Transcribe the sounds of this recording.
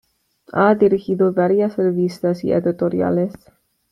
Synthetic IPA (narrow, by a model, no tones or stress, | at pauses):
ad̪iɾixiðovaɾjasrevist̪asḭḛd̪it̪oɾja̰les